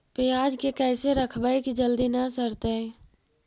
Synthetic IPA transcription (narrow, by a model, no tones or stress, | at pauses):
peaːd͡ʒkekɛːseɾəkʰbaekid͡ʒəld̪inəsəɾt̪eɛ̃